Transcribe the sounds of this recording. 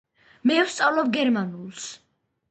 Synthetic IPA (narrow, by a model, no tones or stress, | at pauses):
mɛwst̪sʼawlɔbɡɛɾmanulˠs